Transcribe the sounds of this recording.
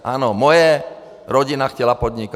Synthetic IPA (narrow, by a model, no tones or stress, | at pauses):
ʔaːnɔmɔja | ɾɔɟinaxcɛlapɔd̪ɲika